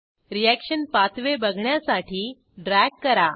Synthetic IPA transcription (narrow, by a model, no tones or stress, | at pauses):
ɾijækɕənpat̪ʰʋebəɡʱɳjasaʈʰiː | ɖɾɛɡkːəɾa